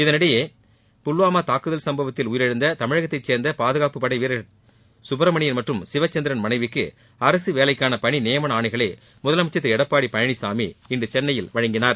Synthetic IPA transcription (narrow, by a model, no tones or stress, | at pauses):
ɪðɐnɐɽɐjeː | pʊlʋaːmaːt̪aːkːɯðɐlsɐmbɐʋɐt̪ːɪlʊjɪɾɛɻɯnd̪ɐt̪ɐmɪɻɐɣɐt̪ːɐɪseːɾnd̪ɐpaːðɯɣaːpɯpːɐɽɐɪʋiːɾɐ | sʊbɐɾɐmɐɳɪjɪnmɐʈrɯmsɪʋɐt͡ʃːɛnd̪ɪɾɐnmɐnɐɪʋɯkːɯ̰ | ɐɾɐsɯʋeːlɐɪkːaːnɐpɐɳineːɐmɐnaːɳɪɣɐɭeː | mʊðɐlɐmɐt͡ʃːɐt̪ːɪlɛɽɐpːaːɽipɐjɐɳisaːmḭɪndɯt͡ʃɛnːɐjɪlʋɐɻɐŋɡɪnaːɾ